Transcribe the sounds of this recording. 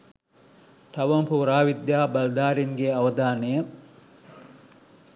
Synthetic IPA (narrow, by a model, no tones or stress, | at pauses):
t̪ɐʋɐmpuɾaːʋid̪jaːbɐld̪aːɾiŋɡeɐʋɐd̪aːnejɐ